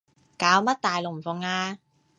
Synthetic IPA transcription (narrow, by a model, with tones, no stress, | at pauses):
kaː˨˥wmɐ˥t̚t̪aː˨jlʊ˨k̚m̩˨˩fʊ˨ŋaː˧